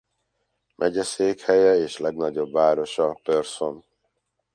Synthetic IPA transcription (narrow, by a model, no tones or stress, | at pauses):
mʔɛɟɛseːkhɛjɛeːʃlɛɡnɒɟo̞bːaːɾo̞ʃɒpørso̞n